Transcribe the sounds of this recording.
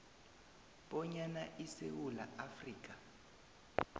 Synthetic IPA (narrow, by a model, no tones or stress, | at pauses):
b̥ɔɲanaʔisewula̰afriːk̬ʼa